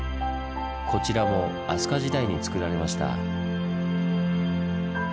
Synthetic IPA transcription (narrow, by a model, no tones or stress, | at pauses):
kʰo̞t͡ɕiɾamo̞ | asɨ̥kaʑid̪aiɲ̟it͡sɨ̥kɯ̟ɾaɾe̞maɕi̥t̪a̰